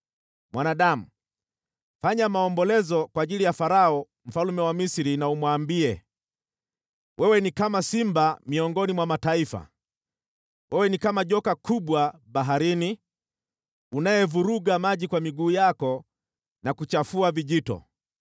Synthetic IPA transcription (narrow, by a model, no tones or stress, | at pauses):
mwanaɗam̩ | faɲamaɔmbɔlɛzɔkwaːʄilijafaɾaɔ | m̩falumɛwamisiɾinaumwaːmbiɛ | wʔɛwɛnikamasimbamiɔŋɡɔnimwamataifa̰ | wɛwɛnikamaʄɔkakuɓwaɓaɦaɾini | unajɛvuɾuɡamaʄikwamiɡuːjakɔ | nakut͡ʃafuaviʄitɔ̰